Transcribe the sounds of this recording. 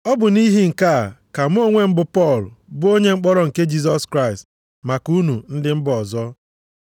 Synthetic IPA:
ɔ˦bʊ˨ni˦ɦi˦ŋ̩˨ka˦˨ka˨m̩˦o˦ŋʷe˦m̩˦bʊ˨pɔ˦˨lbʊ˦o˦ɲe˦ŋ͡m̩˦k͡pɔ˦ɾɔ˦ŋ̩˨ke˦d͡ʒi˦s̬ɔ˦skɾa˦ɪ˨st | ma˨ku˦nu˨n̩˦dɪ˦m̩˦bʊ˦ɔ˨zɔ˦

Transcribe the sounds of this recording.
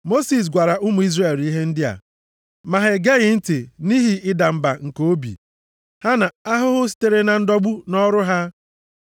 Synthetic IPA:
mo˦si˨s̬ɡʷa˨ɾa˨ʔʊ˦mʊ˨i˦zre˨ɾi˦ɦe˦n̩˦dɪ˦a̰˨ | ma˨ɦe˨ɡe˦ɣɪ˨n̩˦ti˨ni˦ɦi˨ɪ˦da˨m̩˨ba˨ŋ̩˨ko˨o˦bḭ˨ | ha˦na˨a˦ɦʊ˦ɦʊ˦s̬i̥˦te˨ɾe˨na˨n̩˦dɔ˦ɡ͡bu˦nɔ˦ɾʊ˦ɦa˦

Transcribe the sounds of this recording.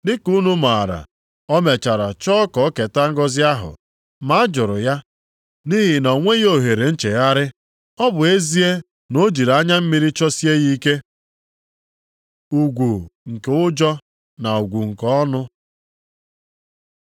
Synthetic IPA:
dɪ˦ku˦nu˦ma˨ɾa̰˨ | ɔ˦me˨t͡ʃa˨ɾa˨t͡ʃɔ˦kɔ˨ɔ˦ke˨ta˦ŋ̩˦ɡɔ˦zɪ˦a˦ɦʊ̰˨ | ma˦a˦d͡ʒʊ˨ɾʊ˨ja˦ | ni˦ɦɪ˨nɔ˨ŋʷe˦ɣo˦ɦe˨ɾe˨n̩˦t͡ʃe˨ja˦ɾɪ˦ | ɔ˦bʊ˨e˦zi˦e˦ | no˦d͡ʒi˨ɾa˦ɲa˦m̩˦mi˦ɾi˦t͡ʃɔ˦si˦e˦ɣi˦ke˦ | u˨ɡʷu˨ŋ̩˨ke˨ʊ˦d͡ʒɔ˦ | na˨u˨ɡʷu˨ŋ̩˨kɔ˦ɔ˦nʊ˦

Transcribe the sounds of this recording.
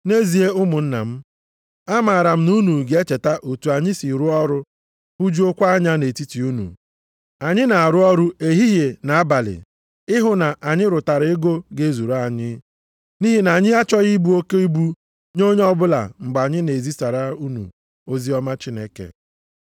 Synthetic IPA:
ne˦zi˨e˦ʊ˦mʊ˨n̩˦na̰˨m̩˦ | a˦ma˨a˨ɾa˨m̩˦nu˦nu˨ɡe˦t͡ʃe˨ta˦ʔo˨tu˨a˨ɲɪ˦si˨ɾu˦ɔ˦ɾʊ˦ | bu˦d͡ʒu˦o˦kʷa˦a˦ɲa˦ne˨ti˦ti˨u˦nṵ˨ | a˨ɲɪ˦na˨a˨ɾʊ˦ɔ˦ɾʊ˦e˨ɦi˦ɦe˨na˨a˦ba˨lɪ̰˨ | ɪ˦ɦʊ˨na˨ʔa˨ɲɪ˦ɾʊ˨ta˨ɾe˦ɡo˦ɡe˦zu˨ɾa˦˨ɲɪ˦ | ni˦ɦi˦na˨ɲɪ˦a˦t͡ʃɔ˦ɣi˦bu˦o˦ke˦i˦bu˦ | ɲo˦ɲe˦ɔ˦bʊ˦la̰˨ŋ͡m̩˨ɡ͡ba˨ɲɪ˦ne˨zi˦sa˨ɾa˦u˦nṵ˨ | o˦zi˦ɔ˦ma˦t͡ʃi˦ne˦kḛ˨

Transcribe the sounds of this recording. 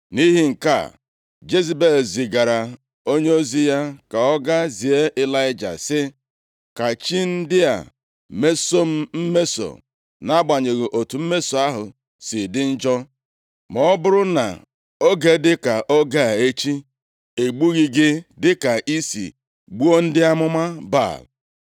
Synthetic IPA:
ni˦ɦi˦ŋ̩˨ka̰˦˨ | d͡ʒe˦zi˨be˦˨lzɪ˨ɡa˨ɾa˨ | o˦ɲe˦o˦zi˦ja˦ka˨ɔ˦ɡa˦zi˨e˦ʔɪ˦la˦ɪ˦d͡ʒa̰˨sɪ˦ | ka˨t͡ʃi˦n̩˦dɪ˦a̰˨ | me˦so˦m̩˦m̩˦me˦so̰˨ | na˦ɡ͡ba˨ɲe˨ɣe˨ʔo˨tu˨m̩˦me˦so˨a˦ɦʊ̰˨ | sɪ˨dɪ˦n̩˦d͡ʒɔ˦ | mɔ˦bʊ˦ɾʊ˦na̰˨ | o˦ɡe˦dɪ˦ka˨ʔɔ˦ɡa˦˨e˦t͡ʃi˦ | e˨ɡ͡bu˦ɣi˦ɡɪ˦dɪ˦ka˨ʔi˦sḭ˨ | ɡ͡bu˦o˦n̩˦dɪ˦a˦mʊ˦ma˦ba̰˦˨l

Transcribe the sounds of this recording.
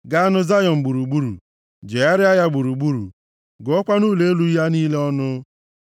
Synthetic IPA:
ɡa˦a˦nʊ˦za˦jɔ˨m̩˨ɡ͡bu˨ɾu˨ɡ͡bu˦ɾṵ˨ | d͡ʒe˨a˦ɾɪ˦a˦ja˦ɡ͡bu˨ɾu˨ɡ͡bu˦ɾṵ˨ | ɡʊ˨ɔ˦kʷa˦nuː˦le˨e˦lu˦ja˦niː˦le˦ɔ˦nʊ˦

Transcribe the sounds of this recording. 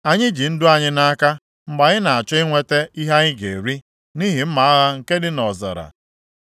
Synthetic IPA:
a˨ɲɪ˦d͡ʒi˨n̩˦dʊ˦a˨ɲɪ˦na˦a˦ka˦ | m̩˦ɡ͡ba˨ɲɪ˦na˨a˨t͡ʃɔ˦ɪ˦ŋʷe˦te˦i˦ɦa˦ɲɪ˦ɡḛ˨ɾi˦ | ni˦ɦi˨m̩˦ma˨a˦ɣa˦ŋ̩˨ke˦dɪ˦nɔ˨za̰˨ɾa̰˨

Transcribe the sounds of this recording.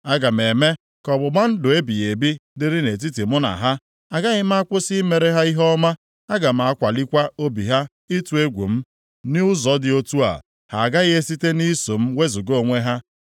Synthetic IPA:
a˦ɡa˨m̩˨e˨me˦ | kɔ˨bʊ˨ɡ͡ba˦n̩˦dʊ˨e˦bi˨ɣe˨bi˦dɪ˦ɾɪ˦ne˨t̬i˦ti˨mʊ˦na̰˨ɦa˦ | a˨ɡa˦ɣɪ˦m̩˦a˦kʷʊ˦si˦me˨ɾe˦ɦa˦i˦ɦɔ˦ma˦ | a˦ɡa˨m̩˨a˦kʷa˨li˦kʷa˦o˦bḭ˨ɦa˦ | i˦tu˨˦e˦ɡʷṵ˨m̩˦ | nɪ˦ʊ˦zɔ˨˦dɪ˦o˦tu˦a̰˨ | ha˨a˨ɡa˦ɣɪ˦e˦si˦te˦ni˦so˨m̩˦we˦zu˨ɡo˦˨ŋʷe˦ɦa˦

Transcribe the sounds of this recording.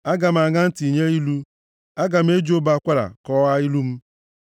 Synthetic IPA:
a˦ɡa˨m̩˨a˨ŋa˦n̩˦ti˨ɲe˦i˦lu˦ | a˦ɡa˨m̩˦e˦d͡ʒo˦ba˨˦˨kʷa˦ɾa̰˨kɔ˦ɣa˦i˦lu˦m̩˦

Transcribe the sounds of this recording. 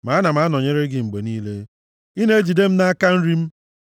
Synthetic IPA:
ma˨˦na˨ma˨˦nɔ˨ɲe˦ɾe˦ɡɪ˨ŋ͡m̩˨ɡ͡be˨niː˦le˦ | i˦ne˦e˦d͡ʒi˨de˦m̩˦na˦a˦ka˦n̩˦ɾi˦m̩˦

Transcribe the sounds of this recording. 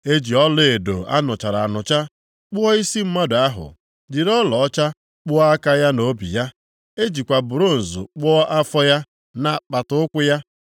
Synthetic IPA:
e˦d͡ʒi˨ɔ˦le˨do̰˨a̰˦nʊ˨t͡ʃa˨ɾa˨nʊ˨t͡ʃa˦ | k͡pʊ˦ɔ˦i˦si˦m̩˦ma˦dʊ˨a˦ɦʊ̰˨ | dɪ˨ɾɔ˦lɔ˨ɔ˦t͡ʃa˦ | k͡pʊ˦a˦ka˦ja˦no˨bḭ˨ja˦ | e˦d͡ʒi˨kʷa˨bʊ˨ɾo˦n̩˨zʊ̰˨k͡pʊ˦ɔ˦ʔa˦fɔ˦ja˦ | na˨k͡pa˨tʊ˨˦ʊ˦kʷʊ˦ja˦

